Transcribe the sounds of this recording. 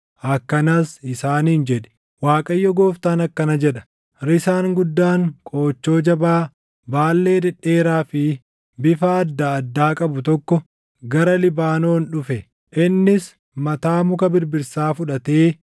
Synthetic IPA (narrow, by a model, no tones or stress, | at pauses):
ʔɐkːɐnasɪsaːniːnd͡ʒɛᶑɛ̥ | waːkʼɐjːɔɡo̞ːft̪aːnɐkːɐnɐd͡ʒɛᶑɐ̥ | ɾɪsaːŋɡʊd̪ːaːŋkʼo̞ːt͡ʃːo̞ːd͡ʒɐbaː | baːlːe̞ːdɛᶑːe̞ːɾaːfɪ | bɪfaɐd̪ːaːd̪ːaːkʼɐbʊt̪ɔkːɔ | ɡɐɾɐlɪbaːno̞ːnᶑʊfɛ | ʔɪnːɪs | mɐt̪aːmʊkɐbɪɾbɪɾsaːfʊᶑɐt̪eː